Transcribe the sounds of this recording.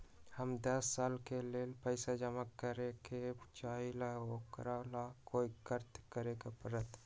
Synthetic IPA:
həmd̪əsːalkelelpəɪsad͡ʒəmakːəɾeket͡ʃaɦilaɦokɾalakoikəɾt̪kəɾekepəɾət̪

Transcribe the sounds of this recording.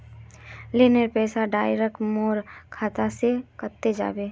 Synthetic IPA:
linəɾpɛːsaɖaːjɾəkʈmoːɾkʰaːt̪asekət̪ːed͡ʒa̰ːbeː

